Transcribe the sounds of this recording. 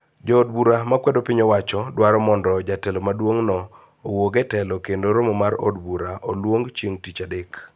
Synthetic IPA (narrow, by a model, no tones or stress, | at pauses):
d͡ʒɔːdbuɾamakwɛdopɪɲɔwat͡ʃɔdwaɾɔmɔndɔd͡ʒatɛlomadwoŋnɔː | woɡɛtɛlɔkendoɾomɔmaɾo̰dbuɾaolwoŋɡt͡ʃeŋtit͡ʃadɪk